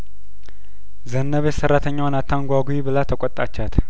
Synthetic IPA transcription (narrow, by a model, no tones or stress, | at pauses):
zənːəβesəɾat̪ʰəɲːawnat̪ʰːaŋɡʷaɡʷuibɨlat̪ʰəkʷʼɔt̪ʼat͡ʃːat̪